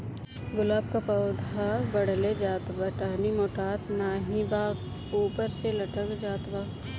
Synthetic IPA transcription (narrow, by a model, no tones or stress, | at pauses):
ɡʊlaːbkapɐːd̪ʱabɐɽled͡ʒaːt̪ʋaʈaːnimoːʈaːt̪naːɦĩbaːk | uːpəɾselɐʈʰəkd͡ʒaːt̪ʋaː